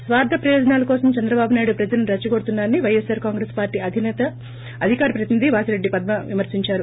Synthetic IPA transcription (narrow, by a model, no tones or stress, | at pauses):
sʋaːɾd̪ʱɐpɾɐjɔːd͡ʒɐnaːlɐkɔːsɐmt͡ʃɛnd̪ɾɐbaːbunaːjɽupɾɐd͡ʒɐlɐniɾɐt͡ʃːɐɡo̞ɽut̪unːaːɾɐniʋɐjesaːɾkaːŋɡɾeːspaːɾʈiːɐd̪ʱinɛːt̪ɐ | ɐd̪ʱikaːɾɐpɾɐt̪inid̪ʱiʋaːsɐɾe̞ɖːipɐd̪̚mɐʋimɐɾsiɲt͡ʃaːɾu